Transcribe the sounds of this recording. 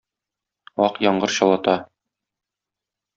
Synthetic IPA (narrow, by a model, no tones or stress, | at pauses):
ɒqjɒɴɢɤɾɕɒlˠɑt̪ɑ